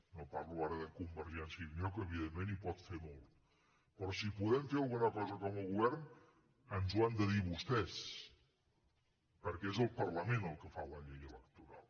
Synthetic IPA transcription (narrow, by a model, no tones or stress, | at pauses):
nopaɾluaɾəðəkumbəɾʒɛnsiəmjɔkəːβiðemːenipɔt̪femɔlˠt̪ | pɾɔsipuðɛmfeəlˠɣunəkɔzəkɔməlˠɣuβɛɾn | ənzwand̪əðiβust̪ɛs | pəɾkɛezəlˠpərləmenəlˠkəfaləʎejələk̚t̪uɾa̰lˠ